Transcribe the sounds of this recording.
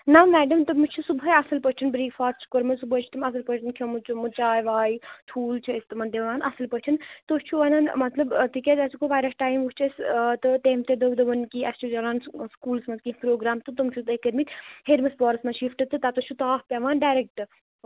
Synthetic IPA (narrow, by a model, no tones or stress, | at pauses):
namɛːɖɐmt̪ɨmut͡ʃʰusubɐjɐsɐlpɐt͡ʃʰɐnbɾiːkfaːt̪t͡ʃʰkoɾmɐsubɐt͡ʃʰu̥t̪ɐmɐsɐlpɐt͡ʃʰɐnkʰʲomut͡ʃʰumut͡ʃaːjʋaːit̪ʰuːlt͡ʃʰiest̪ɨmɐnd̪eʋaːnʔɐsɐlpɐt͡ʃʰɐnt̪ot͡ʃʰuʋɐnanmɐt̪lɐbt̪ikʲet̪ɐskoʋaːjɾɐsʈaːjmʋut͡ʃʰɐst̪ɨt̪eːmt̪ed̪ɐʋd̪ɐʋɐnkiɐst͡ʃʰud͡ʒɐlaːnskuːlsmɐnzkipɾoːɡɾaːmt̪ɨt̪umt͡ʃʰut̪ekɐɾmit̪ʲheɾmɐsbɔːɾsmɐʃifʈɨt̪ːɨt̪at̪ɐt͡ʃʰut̪aːfpʲeʋaːnɖaːjɾek̚ʈɨ